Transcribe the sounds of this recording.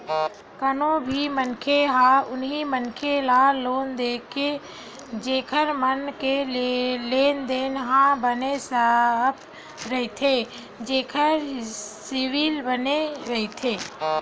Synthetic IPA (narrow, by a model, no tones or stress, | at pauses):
kənõbʱimənkʰeɦãʊnɦimənkʰelaloːnd̪eːkʰe | d͡ʒeːkʰəɾmənkelleːnd̪eːnɦãbənesəp | ɾəɦt̪ʰeː | d͡ʒeːkʰəɾsɪwilbəneɾəɦit̪ʰeː